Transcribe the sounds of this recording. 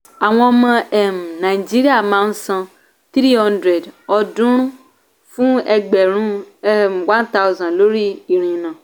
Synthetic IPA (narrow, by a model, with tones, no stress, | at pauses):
a˨w̃ɔ̃˧ɔ˧mã˧ʔɛ˨m˨nã˨i˨d͡ʒi˦ɾi˦a˦˨mãː˨˦n̩˦sã˧ | t̪ɾi˦hɔ̃˦ndɾɛ˨dɔ˧dũ˦ɾ̃ũ˦ | fũ˦ɛ˧ɡ͡bɛ˨ɾ̃ũ˦ɛ˦m˨wã˦n˦ta˧wzã˨lo˦ɾi˦i˨ɾ̃ĩ˨nã˨